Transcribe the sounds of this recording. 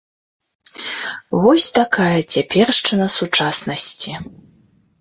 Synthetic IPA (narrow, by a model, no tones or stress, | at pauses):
vɔsʲt̪akajɐt͡sʲapʲɛrʂt͡ʂɨnɐsut͡ʂasnɐsʲt͡sʲi